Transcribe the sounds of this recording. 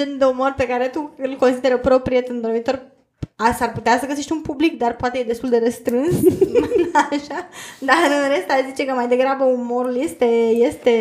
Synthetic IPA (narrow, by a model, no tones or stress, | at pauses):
end̪eumo̞rʲpe̞kaɾe̞t̪uɨlko̞nsid̪eɾəpɾo̞pɾijet̪ɨnd̪o̞ɾmit̪o̞r | asarput̪easəɡəseʃt̪ʲunpublikd̪arpoat̪ejed̪est̪uld̪eɾəst̪ɾɨns | aʃad̪aɾɨnɾe̞st̪aʃzit͡ʃe̞kəmajd̪e̞ɡɾabəumo̞ɾulje̞st̪e̞je̞st̪e̞